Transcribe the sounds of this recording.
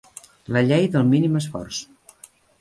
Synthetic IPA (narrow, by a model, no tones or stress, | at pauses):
ləʎejðəlˠminiməsfɔ̰rs